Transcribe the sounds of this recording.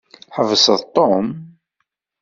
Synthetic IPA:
ħəvəsəðˤt̪ˤːom

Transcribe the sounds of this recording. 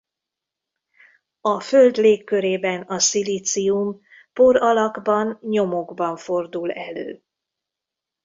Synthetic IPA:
ɒfø̞ld̪leːkːø̞ɾeːbɛnɒsilit̪sium | po̞ɾɒlɒɡbɒnɲo̞mo̞ɡbɒɱfo̞rd̪ulɛlø̰ː

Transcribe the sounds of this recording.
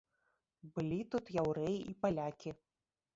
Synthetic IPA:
bɨlʲit̪ut̪jawɾɛjiʔipalʲakʲi

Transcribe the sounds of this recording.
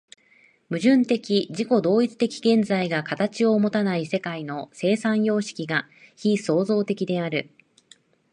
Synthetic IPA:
mɯ̟ʑɨ̃nt̪e̞kʲiʑiko̞d̪o̞ːit͡sɨ̥t̪e̞kʲi̥ɡẽ̞nd͡zaiɡakat̪at͡ɕio̞mo̞t̪anaise̞kaino̞se̞ːsãɰ̃jo̞ːɕi̥kʲiɡa | çiso̞ːzo̞ːt̪e̞kʲid̪e̞aɾɯ̟

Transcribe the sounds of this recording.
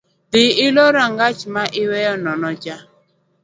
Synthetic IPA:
dɪɪloɾaŋɡat͡ʃmaʔɪwɛjɔnɔnɔd͡ʒa

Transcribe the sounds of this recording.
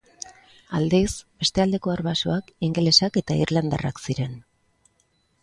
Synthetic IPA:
ald̪esbe̞st̪e̞ald̪e̞ko̞aɾβasoakiŋɡe̞le̞sake̞t̪aiɾland̪a̰ra̰ksiɾe̞n

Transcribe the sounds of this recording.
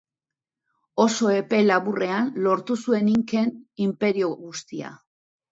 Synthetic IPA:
o̞so̞e̞pe̞laβure̞anlo̞ɾt̪usue̞niŋke̞nimpe̞ɾio̞ɣust̪ia̰

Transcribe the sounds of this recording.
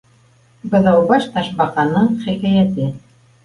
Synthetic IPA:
bɤ̆ðɑwbɑʃt̪ɑʃbɑqɑnɤɴχækæjæt̪ɘ

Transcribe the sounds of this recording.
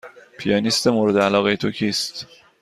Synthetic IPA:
pʰijɑːnist̪emoːɾed̪eælɒːɣejet̪ʰocʰiːst̪

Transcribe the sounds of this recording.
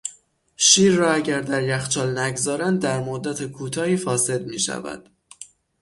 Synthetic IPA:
ʃiːɾːɒːæɟæɾd̪æɾjæxt͡ʃʰɒːlnæɡzɒːɾænd̪̚ːæɾmod̪ːæt̪ʰekʰuːt̪ʰɒːhiːfɒːse̞d̪̚miːʃæ̰væ̰d̪̥

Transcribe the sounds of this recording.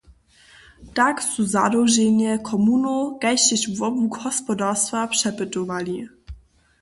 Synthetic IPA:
taksuza̰ɾɔʐɛɲɛkʰɔmunɔɡajɕɛɕvɔbuɡxɔspɔdaɾst̪fapʂɛpɘt̪ɔvalʲi

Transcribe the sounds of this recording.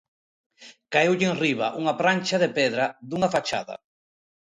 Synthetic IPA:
kaewʎeŋriβa̰ʔuŋapɾant͡ʃaðepɛðɾad̪uŋafat͡ʃa̰ðɐ̰

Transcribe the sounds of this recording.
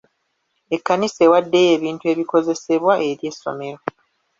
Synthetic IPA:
e̞kːanise̞ːwadːe̞je̞ːβiːntue̞ːβiko̞ze̞se̞βwaʔe̞ɾje̞sːo̰me̞ɾo̞

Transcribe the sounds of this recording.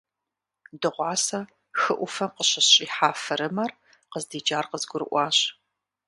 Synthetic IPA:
dɨʁʷɑːsɐ | xɨʔʷʊfɐmqəɕɐɕʼiːħaːfɐɾɨmɐr | qəzdiːd͡ʒaːrqəzɡʷʊɾɨ̰ʔʷɑːɕ

